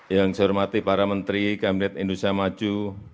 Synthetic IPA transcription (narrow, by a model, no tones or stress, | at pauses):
jaŋsrmat̪ipaɾamənt̪ɾikabinɛt̪indust̪ɾiamad͡ʒu